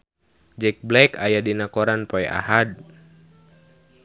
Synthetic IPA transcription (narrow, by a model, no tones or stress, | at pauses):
d͡ʒɛk̚blɛkajadinakɔɾanpɔɛʔa̰had̚